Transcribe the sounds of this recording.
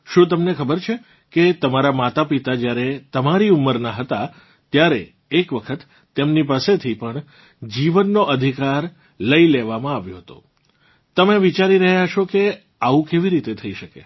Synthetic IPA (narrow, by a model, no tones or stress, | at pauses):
ʃũt̪̬əmnekʰəbəɾt͡ʃʰe | ket̪əmaɾamat̪apit̪ad͡ʒjaɾet̪əmaɾiumːəɾnaɦət̪a | t̪jaɾeː | kʋəkʰət̪ː | emnipaset̪ʰipəɳ | d͡ʒiʋənːoʔəd̪ʱikaɾ | ləileʋamãaʋjõɦət̪o̰ | t̪əmeʋit͡ʃaɾiɾəɦjat͡ʃʰoke | aʋũkeʋiɾit̪et̪ʰəiʃəkḛ